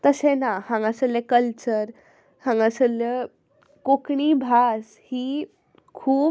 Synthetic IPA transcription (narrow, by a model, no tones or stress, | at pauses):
t̪əsẽnahãŋɡəsəljekəlt͡ɕəɾ | hãŋɡəsəlje | kokɳibʱas | hiː | kʰuːb